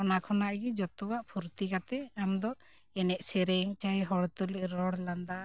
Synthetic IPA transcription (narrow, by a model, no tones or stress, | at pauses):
ɔnakʰɔnaʔɡid͡ʒɔt̪uwaʔpʰuɾt̪ikat̪ɛamd̪ɔ | ɛnɛʔsɛɾɛŋt͡ʃajɦɔɽt̪uliʔɾɔɽland̪a